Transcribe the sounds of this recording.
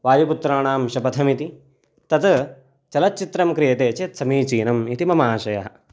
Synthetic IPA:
ʋaːjuput̪ɾaːɳaːmʃɐpɐt̪ʰɐmit̪i | t̪ɐt̪ | t͡ʃɐlɐt̪̚t͡ʃit̪ɾɐmkɾijɐt̪eːt͡ʃet̪sɐmiːt͡ʃiːnɐmit̪imɐmaːʃɐjɐ̰ɦɐ

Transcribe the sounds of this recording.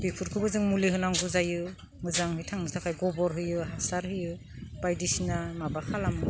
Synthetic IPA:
bipʰuɾkʰɯbɯzɯŋmuliɦɯnaŋɡuzajɯ | mɯzaŋhɯjtʰaŋnɯtʰakʰajɡɔbɔɾɦɯjɯɦasaɾhɯjɯ | b̥ajdisinamabakʰalamɯ

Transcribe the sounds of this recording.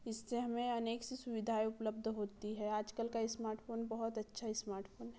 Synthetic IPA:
ɪsːeɦɐmẽɐneːksesʊʋɪd̪ʱaːeʊpləb̚d̪ʱɦoːt̪iɦɛaːd͡ʒkəlkaɪsmaːɾʈfʰoːnbɐɦɔt̪ɐtːʃʰaismaːɾʈpoːnɦɛ

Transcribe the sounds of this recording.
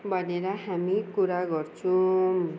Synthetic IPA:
bʱʌneɾʌɦamikuɾaɡʌɾt͡sʰu

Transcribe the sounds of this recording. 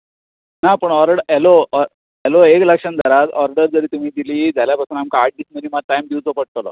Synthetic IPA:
napəɳɔɾɖɛlo | ɛloekləkʂənd͡zʱaɾat̪ɔɾɖəɾd͡zəɾiːt̪um̤iːd̪iliːd͡zaljapasuːnamkaːʈ̚ɖisməniːmaʈajmd̪iud͡zopəɽ̚t̪olɔ̰

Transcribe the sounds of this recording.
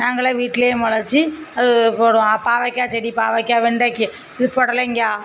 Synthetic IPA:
naːŋɡɐɭeʋiːʈːɪlejeːmɐɭɐɾt͡ʃːiɐðɯpoːɽʊ̃apaːʋɐkʲːaːt͡ʃɛɽipaːʋɐkːaːʋɛɳɖakːɯ | ɪðɯpɔɽɐlɐɪŋɡaː

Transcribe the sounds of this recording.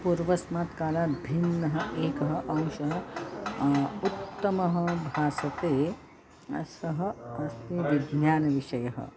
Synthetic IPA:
puɾʋɐsmaːt̪kaːlaːbʱinːɐɦɐ̆ʔeːkɐɦɐ̆ʔɐ̃w̃ʃɐɦɐ | ut̪ːɐmɐɦɐ̆bʱaːsɐt̪eː | ɐ̰sɐɦɐ̆ɐst̪iʋiɡnjaːnɐʋiʃɐjɐɦɐ̰

